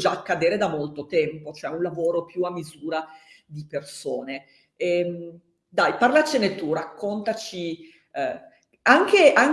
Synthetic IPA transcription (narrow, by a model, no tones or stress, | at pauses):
d͡ʒakːad̪eːɾed̪amolt̪ot̪ɛmpot͡ʃoɛunlavoːɾopjuamːizuːɾad̪ipersoːne | ɛm | d̪ajparlat͡ʃenet̪urakːont̪at͡ʃi | aŋkeʔaŋ